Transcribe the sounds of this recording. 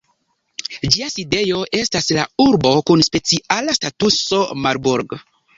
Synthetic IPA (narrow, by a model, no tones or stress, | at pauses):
d͡ʒiaside̞jo̞ʔe̞staslauɾbo̞kunspe̞t͡siʔalastatuso̞maɾbuɾɡ